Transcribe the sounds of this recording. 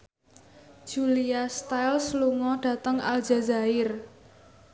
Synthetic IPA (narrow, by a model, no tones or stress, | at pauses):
ʒ̥uliast̪ajlsluŋɔɖ̥ä̤t̪əŋa̰ld͡ʒa̤zaɪr